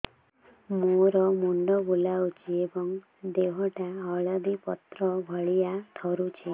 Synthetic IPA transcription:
moɾɔmuɳɖɔbulaut͡ʃʰiebɔŋ | d̪eɦɔʈaɔɭɔd̪ipɔt̪ɾɔbʱɔɭijat̪ʰɔɾut͡ʃʰi

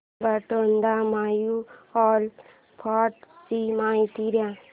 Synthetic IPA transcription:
baʈənd̪amajuɔl | pʰɔʈsimãit̪iɾjã

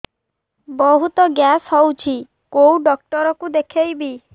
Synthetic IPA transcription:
bɔɦut̪ɔɡjasɦɔwt͡ʃʰi | kowɖɔk̚ʈɔɾɔkud̪ekʰejbi

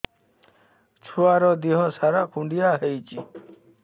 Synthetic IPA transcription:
t͡ʃʰuaɾɔd̪iɦɔsaɾakʰũɳɖijaɦejt͡ʃi

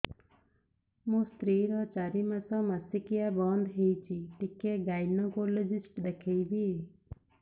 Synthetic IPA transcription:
mõːst̪ɾiːɾɔːt͡ʃaːɾimãt͡sɔ̃masikɪjaːbɔːnd̪ɦeit͡ʃʰiʈikeɡaːɪnɔ̃koled͡ʒɪsʈd̪ekʰeibi

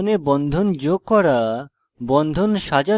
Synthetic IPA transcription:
nebɔnd̪ʱond͡ʑoɡ̚kːɔɾa | bɔnd̪ʱonʃad͡ʑa

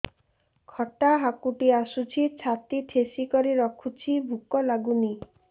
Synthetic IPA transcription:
kʰɔʈaɦakuʈiasut͡ʃʰit͡ɕʰat̪iʈʰesikɔɾiɾɔkʰut͡ʃʰibʱukɔlaɡuni

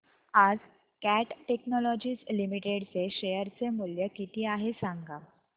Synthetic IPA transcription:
ad͡z | kæʈʈeknɔlɔd͡ʑiːslimiʈeɽt͡seɕejəɾt͡semuljəkit̪iːaɦesaŋɡa

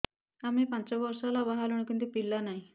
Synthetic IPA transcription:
amipãt͡ɕaʋəɾsalabaɦaluɳ̃kint̪upilːanai

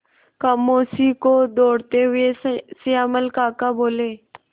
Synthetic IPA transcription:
kəmosikod̪oɽt̪eɦʊesiaməlkaːkaboːle

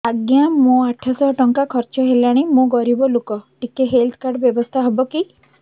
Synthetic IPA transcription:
aɡjamõaʈʰasɔɦɔʈɔŋkakʰɔɾt͡ʃɔɦelaɽ̃imõɡɔɾibɔlokɔʈikeɦelt̪ʰkaɾɖbjɔbɔst̪ʰaɦɔbɔki

